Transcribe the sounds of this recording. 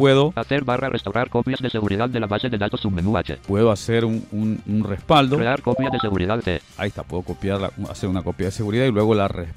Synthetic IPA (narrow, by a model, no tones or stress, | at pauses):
pweðo̞kat̪eɾβarʔarʔest̪awɾaɾkopjazðeseɣuɾiðaðd̪elaβaseðed̪at̪osumenuat͡ʃḛpwe̞ðoaseɾuununrespald̪oɾeaɾkopjazðeseɣuɾiðaðt̪ḛaist̪apwe̞ðokopjaɾla̰a̰seɾunako̞pjaðeseɣuɾiðailwe̞ɣolare